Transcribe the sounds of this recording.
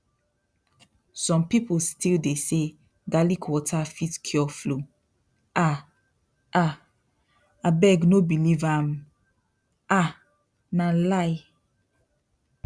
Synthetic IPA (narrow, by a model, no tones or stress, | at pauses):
sɔ̃mpipolstʰildese | ɡalikʰwɔtʰafitkʰjɔflo | ʔa | ʔa | abɛɡnobilivãm | ʔa | nalaɪ